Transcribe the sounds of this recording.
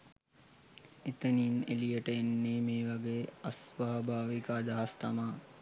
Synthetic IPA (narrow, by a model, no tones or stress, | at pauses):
et̪əninḛlijəʈəenːeːmeːʋaɡeːɐsʋaɦbʱaːʋikaːd̪aɦast̪amaː